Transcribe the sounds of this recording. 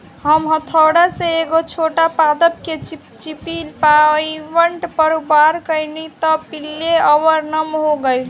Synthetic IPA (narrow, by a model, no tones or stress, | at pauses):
ɦəmɦət̪ʰəwɽaseeɡot͡ʃʰoʈapad̪əp̚ke | t͡ʃipilpaiʋəɳʈpəɾubaɾkəjnit̪ɔpilːeəʋəɾnəmɦoɡəjl